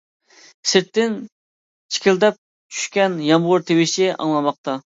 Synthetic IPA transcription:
sɪɾt̪ːɪn | t͡ʃʰi̥kʲʰɪld̪ɛp̚ | t͡ʃʰy̥ʃkʲɛnjɑmʁʊɾt̪ʰewɪʃɪʔɑ̰ŋlˠɑmɑq̚t̪ʰɑ

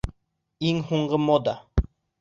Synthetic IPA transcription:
iŋhuɴɢɤmod̪a

